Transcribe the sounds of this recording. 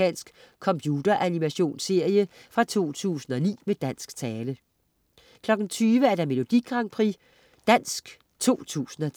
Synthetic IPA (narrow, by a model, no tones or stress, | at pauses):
ɛ̰ːnsɡ̥ | kʰɒ̽mpʰjuːd̥ɐʔænimæɕo̝̰ːnse̝ɐ̰jəfʁɑ̈t͡sʰo̝̰ːt͡sʰṵːsn̩ɒ̽nḭːmed̥æn̰sɡ̥t͡sʰɛːlə | kʰlɒ̽ɡ̥n̩t͡sʰyːʋəæɐd̥ɑ̈me̝lo̝d̥iɡ̥ʁɑ̈ŋpʰʁḭ | d̥æn̰sɡ̥ | t͡sʰo̝̰ːt͡sʰṵːsn̩ɒ̽